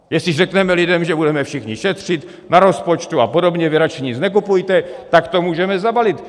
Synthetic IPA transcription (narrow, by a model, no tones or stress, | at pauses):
jɛstɪrɛknɛmɛlɪdɛmʒɛbudɛmɛfʃɪxɲɪʃɛt̪r̝̥ɪt̪ | naɾo̞spo̞t͡ʃt̪uapo̞do̞bɲɛvɪɾat͡ʃɛɲɪznɛk̬upujt̪ɛt̪akt̪o̞muːʒɛmɛzabalɪt̪